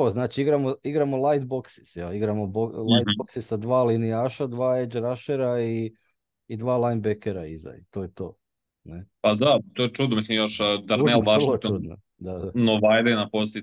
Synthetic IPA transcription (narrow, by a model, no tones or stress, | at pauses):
t̪oznaːt͡ʃiiɡɾamoiɡɾamolˠajt̪̚bo̞ksi̥sjeliɡɾamobolajt̪oksisad̪ʋaːlinijaːʃad̪ʋaːed͡ʒɾaʃeɾaiː | d̪ʋaːlˠajnbekeɾa̰ḭza̰jt̪oːjet̪o̞ː | nepad̪at̪ojet͡ʃud̪nomislimjoʃd̪aɾnebalot͡ʃud̪no̰ | d̪ad̪anoʋajd̪enapost̪i